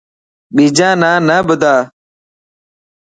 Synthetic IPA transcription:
ɓiːd͡ʒãːnãːnəbʊd̪aː

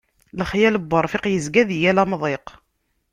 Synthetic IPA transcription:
ləχjæləbːəɾˤfɪqjəzɡæðjælæmðˤeq

